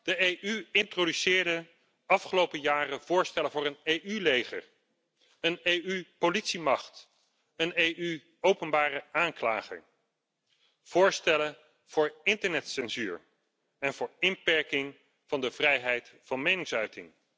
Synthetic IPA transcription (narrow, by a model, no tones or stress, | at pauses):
d̥əejʔyɪntrodysɪːɹdə | ɑfχəlowpəjaːrəv̥ʊːɹstɛləvʊːɹənejʔylejχə̰ɹ | ənejypolitsimɑχt | ənejʔy | owpənbaːrəaːŋklaːχə̰ | v̥ʊːɹstɛlə | v̥ʊːɹɪntəɹnɛtsɛnzyːɹ | ɛnvʊːɹɪmpɛɹkɪŋ | v̥ɑndəvrɛjɦɛjtfɑnmejnɪŋsœɥtɪ̰ŋ